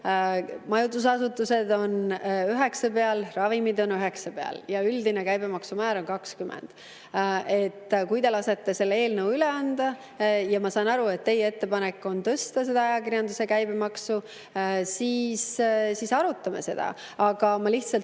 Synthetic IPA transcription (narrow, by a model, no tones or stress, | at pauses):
mɑjud̪us̬ɑsut̪ːˑuse̞d̪o̞nøɦe̞ksɑpe̞ɑlrɑvimid̪o̞nøɦe̞ksɑpeɑ̰ljɑyld̪inekæjbe̞mɑksumæːɾo̞nkɑkskymḛnd̪̥ | e̞t̪ːˑkujd̪e̞lɑse̞t̪ːese̞lːe̞ːlnəwyleɑnd̪̥ɑ | jɑmɑsɑːnɑɾue̞t̪ːe̞jee̞t̪ːe̞pɑne̞kːˑo̞nt̪ɤst̪ɑs̬e̞d̪ɑɑjɑkiɾjɑnd̪use̞kæjbemɑksu | siːssisɑɾut̪ːˑɑme̞̰se̞d̪̥ɑ̰ | ɑɡ̥ɑmɑliht̪sɑlt̪